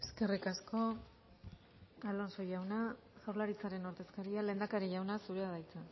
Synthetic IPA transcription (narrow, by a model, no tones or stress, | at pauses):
eske̞rikasko̞ | alo̞nso̞jawna | sawɾlaɾit͡saɾe̞noɾt̪e̞skaɾiale̞ːnd̪akaɾiʝawnasuɾeaðajt͡sa